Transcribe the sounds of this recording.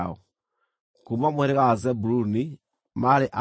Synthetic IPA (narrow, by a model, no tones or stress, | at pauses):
ɔ | kumamweɾeɣazɛbuɾuni | maɾeʔa